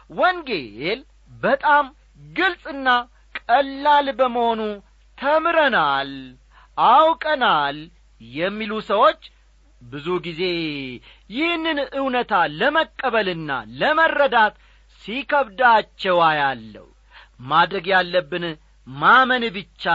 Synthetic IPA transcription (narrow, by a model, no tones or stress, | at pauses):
wɔŋɡel | bət̪ʼam | ɡɨlsʼɨnːa | kʼəlːalbəməho̞nu | t̪ʰəmɾənal | ʔawkʼənal | jɛmːilusəwo̞t͡ʃː | bɨzuɡize̞ | jɪhnːɨnɨwnət̪ʰaləməkʼːəβəlɨnːa̰ləmərːəd̪at̪ | sikʰəβd̪at͡ʃːɛwajalːə̰w | mad̪ɾəɡjalːəbːɨn | mamənbɨt͡ʃːa